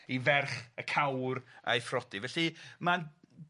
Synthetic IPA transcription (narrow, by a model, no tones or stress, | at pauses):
ivɛrχəkʰawra̰jfrɔdivɛɬima